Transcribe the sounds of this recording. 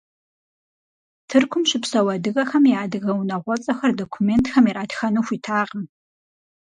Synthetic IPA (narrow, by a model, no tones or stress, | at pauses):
tʰɨrkʷʰʊmʃɪpʰsɐwɐdɨɣɐxɐmiaːdɨɣɐwunɐʁʷɔt͡sʼɐxɐrdokʷʰumeːntxɐmiɾaːdxɐnuːxʷitʰaːqʼəm